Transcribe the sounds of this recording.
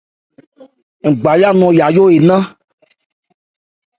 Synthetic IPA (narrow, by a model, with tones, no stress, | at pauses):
ŋ̩˨ɡ͡ba˨ja˦nɔ̃˨ja˨jo˦e˨nã˦